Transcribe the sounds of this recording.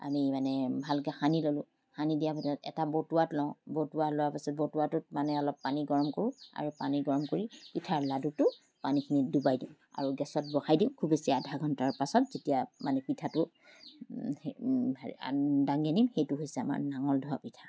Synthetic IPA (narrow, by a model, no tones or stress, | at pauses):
a̰mimanɛbʱalkɛxanilolʊ̃ | xanidijapasɔtɛ̰tabotuwatlɔʊ̃botuwalowapasɔt̚botuwatʊtmanɛɔlɔpːaniɡɔɹɔmkoɹʊ̃a̰ɹupaniɡɔɹɔmkoɹipitʰaɹladutʊ | panikʰinidubajdiʊ̃ | a̰ɹuɡɛsɔt̚bɔxajdĩʊ̃kʰubesiaadʱaɡʱɔntaɹpasɔtzetijamanɛpitʰatʊ | a̰daŋɡanimxejtʊɦojsɛama̰ɹnaŋɔldʱuwapitʰa